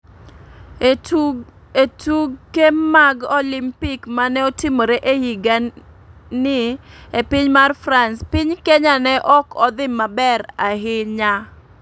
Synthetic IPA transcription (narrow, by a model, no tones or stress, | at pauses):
etuɡkːemaɡɔlɪmpɪkmanɛɔtɪmoɾeʔehiɡa | nɪepɪɲmarfɾanspɪɲkɛɲanɛʔɔkɔd̪ɪmːabɛɾaɦɪɲa